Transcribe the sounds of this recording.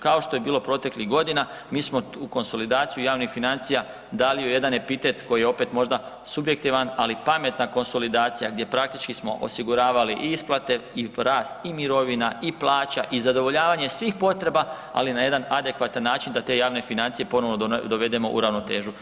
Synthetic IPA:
kao̞ʃt̪o̞jebiːlˠo̞pɾo̞t̪e̞kliɣɡo̞d̪ina | miːsmo̞uko̞nso̞lid̪aːt̪sijujaːʋnixfinant̪sija | d̪alioje̞d̪ane̞pit̪e̞t̪ko̞jijeo̞pe̞t̪mo̞ʒd̪a | subje̞k̚t̪iʋanalipame̞t̪nako̞nso̞lid̪aːt̪sijaɡd̪je̞pɾakt̪it͡ʃkismo̞ʔo̰siɡuɾaːʋaliʔiisplˠat̪e̞iɾaːst̪imiɾo̞ʋinaiplˠaːt͡ɕaʔizad̪o̞ʋo̞ʎaːʋaɲe̞sʋiːxpo̞t̪ɾe̞ba | a̰linaje̞d̪anad̪e̞kʋat̪anːaːt͡ʃind̪at̪e̞jaːʋne̞finant̪sije̞po̞no̞ʋnod̪o̞ʋe̞d̪e̞mo̞̰ʔṵɾaʋno̞t̪e̞ːʒu

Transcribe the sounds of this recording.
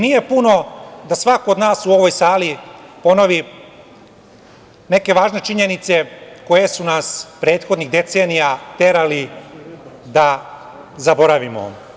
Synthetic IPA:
nije̞puno̞d̪asʋakood̪naːsuo̞ʋo̞jsaːlipo̞noʋi | ne̞ke̞ʋaːʒne̞t͡ʃiɲe̞nit̪se̞ko̞je̞sunaspɾe̞ːt̪xo̞d̪niɣd̪e̞t̪se̞ːnijat̪e̞ɾali | d̪a | zabo̞ɾaʋimo̰

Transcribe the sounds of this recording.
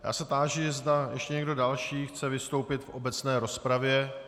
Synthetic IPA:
ja̰ːsɛt̪aːʒɪzd̪ajɛʃcɛɲɛɡdo̞dalʃiːxt͡sɛvɪst̪o̞wpɪt̪fʔo̞bɛt͡snɛːɾo̞spɾavjɛ

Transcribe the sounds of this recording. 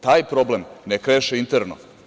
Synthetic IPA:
t̪aːjpɾo̞blemnekɾeʃeint̪eɾno̰

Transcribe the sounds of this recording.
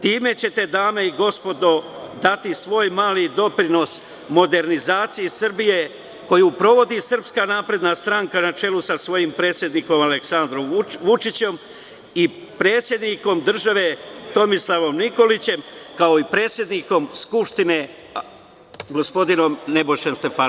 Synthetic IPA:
t̪iːme̞t͡ɕe̞t̪e̞d̪aːme̞iɡo̞spo̞d̪o̞d̪at̪isʋo̞ːjmaːlid̪o̞pɾino̞s | mo̞d̪e̞ɾnizaːt̪sijesr̩bije̞ | ko̞jupɾo̞ʋo̞d̪isɨr̩pskanaːpɾe̞d̪nast̪ɾaŋkanat͡ʃe̞lusasʋo̞jimpɾe̞ːt̪sje̞d̪niko̞male̞ksand̪ɾo̞mʋut͡ʃit͡ɕe̞m | i | pɾe̞ːt̪sjed̪niko̞md̪r̩ʒaʋe̞t̪o̞mislˠaʋo̞mniko̞lit͡ɕe̞mkao̞ipɾe̞ːt̪sje̞d̪niko̞mskupʃt̪ine̞ | ɡo̞spo̞d̪ino̞mne̞bo̞ʃe̞nst̪e̞fa

